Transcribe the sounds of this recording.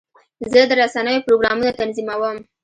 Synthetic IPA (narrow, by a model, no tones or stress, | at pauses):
zəd̪əɾasanəjopɾoɡɾɑmunat̪anzimawəm